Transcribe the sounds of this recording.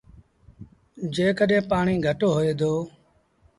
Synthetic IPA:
d͡ʒeːkəɗẽːpaːɳiːɡʱəʈoːɦoeːd̪oː

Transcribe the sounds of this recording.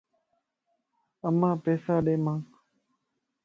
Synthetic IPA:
əmãːpeːsaːɗeːmãː

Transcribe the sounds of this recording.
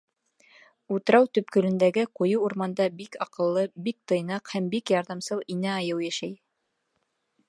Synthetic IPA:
ut̪ɤ̆ɾɑwt̪ɵ̆p̚kɵ̆ɾɵ̆nd̪æɡɘqujɤwuɾmɑnd̪ɑbikɑqɤ̆lˠːɤbik̚t̪ɤ̆jnɑqhæmbikjɑɾðɑmsɤlˠinæɑjɤwjæʃæj

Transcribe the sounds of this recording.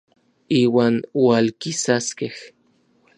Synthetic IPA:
iːwaːnwalkisaskeh

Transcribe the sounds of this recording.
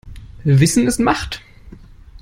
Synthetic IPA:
vɪsn̩ɪstmaχt

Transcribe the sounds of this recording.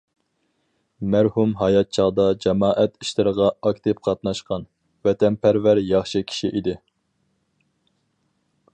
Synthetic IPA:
mæɾhumɦɑjɑt̪̚t͡ʃʰɑʁd̪ɑd͡ʒɑmɑːʔɛt̪iʃlɨɾəʁɑɑkʲt̪ʰɪp̚qʰɑt̪nɑʃqɑn | vɛt̪ʰɛnpʰæɾvæɾjɑχʃɨkʲʰi̥ʃiʔid̪ɪ

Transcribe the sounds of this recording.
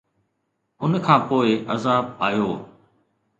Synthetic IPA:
ʊnkʰãːpoːɪʔɐzaːbaːjoː

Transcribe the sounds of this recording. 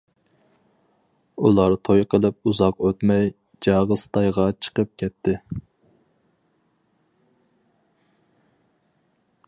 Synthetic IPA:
ulˠɑɾt̪ʰojqʰəlˠɨp̚uzɑqøt̪mɛj | d͡ʒɑʁəst̪ʰɑjʁɑt͡ʃʰə̥qəp̚kʲʰɛt̪ʰːɪ

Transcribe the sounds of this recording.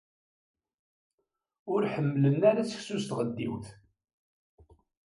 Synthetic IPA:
ʊɾħəmːlənːaɾæt͡sə̥çsust̪ʁəd̪ːiwθ

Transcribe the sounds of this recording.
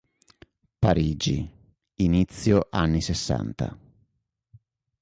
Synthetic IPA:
paɾiːd͡ʒḭ | init̪sːjoʔanːisesːa̰nt̪a̰

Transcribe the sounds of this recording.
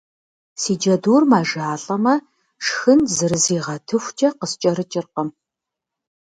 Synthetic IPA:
siːd͡ʒɐduːrmaːʒaːɬʼɐmɐ | ʂxɨnzɨrɨziːʁɐtʰɨxʷt͡ʃʼɐqəst͡ʃʼɐɾɨt͡ʃʼɪrqɐm

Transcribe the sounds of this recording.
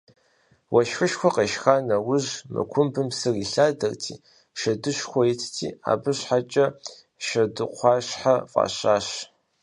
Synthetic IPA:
wʔɐʃfʊʃxʷɔqeʃxaːnɐwʊʒmɨ̰kʷʰʊmbɨmsɨriɬaːdɐrtʰiː | ʃɐdɨʃxʷɔitʰtʰḭːa̰ːbɨɕħat͡ʃʼɐ | ʃɐdɨqʷʰɑːɕħafʼɑ̰ɕaːɕ

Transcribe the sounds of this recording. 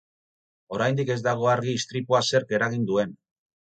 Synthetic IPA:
o̞ɾajnd̪ike̞zd̪aɣ̞o̞aɾɣiːst̪ɾipuase̞ɾke̞ɾaɣind̪ue̞n

